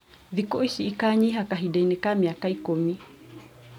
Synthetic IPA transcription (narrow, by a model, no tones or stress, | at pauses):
ðikɔisiːkaɲiɦakaɦiɗainɛkamiakaikumi